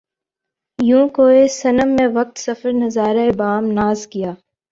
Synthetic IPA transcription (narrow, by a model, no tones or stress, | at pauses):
jũːkoesɐnəmːẽʋɐk̚t̪sɐfəɾnɐzaːɾaebaːmnaːzkijaː